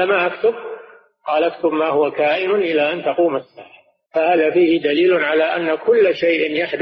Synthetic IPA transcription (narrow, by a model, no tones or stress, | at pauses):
amaːʔakt̪ʊb̚ | qɑːlʔakt̪ʊbmaːhʊwakaːʔɪnʊnʔɪlaːʔant̪ɑquːmasːaːʕa | fahaːðaːfiːhɪd̪aliːlʊnʕalaːʔanːakʊlːʃajʔɪnjaħd̪